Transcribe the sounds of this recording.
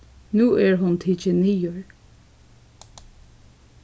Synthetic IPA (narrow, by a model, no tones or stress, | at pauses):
nuːʔɛɹɦʊnt̪ʰɪt͡ʃɪniːʊɹ